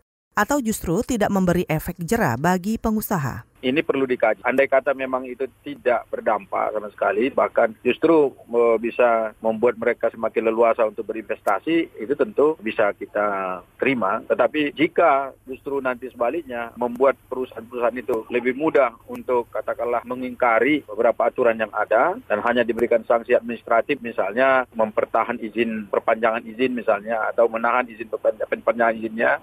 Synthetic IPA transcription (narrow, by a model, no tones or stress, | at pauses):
ʔat̪awd͡ʒust̪ɾut̪idaʔ̚məmbəɾiʔefɛk̚d͡ʒəɾa̰baɡipəŋusaɦa̰ | inipərludikad͡ʒʔandajkat̪amemaŋit̪ut̪idaʔb̥ərdampa̰samasə̥kalibahkand͡ʒust̪ɾuəbisaməmbuat̪̚məɾekasəmakɪnləluasaunt̪ʊk̚bəɾinfɛst̪asiit̪ut̪ənt̪ubisakit̪at̪əɾimat̪ət̪apid͡ʒikad͡ʒust̪ɾunant̪isəbalɪk̚ɲaməmbuat̪̚pəɾusaanpəɾusaɦanit̪uləbɪhmudahunt̪ʊkːat̪akanlahməŋiŋkaɾibəbəɾapaːt̪uɾanjaŋa̰dadanɦaɲadibəɾikansaŋsiat̪̚minist̪ɾat̪ɪfmisalɲaməmpərt̪aɦanizɪnpərpaɲd͡ʒaŋanizɪnmisalɲaa̰t̪awmənaɦanizɪnpərpad͡ʒaanpaɲd͡ʒaŋanizɪnɲa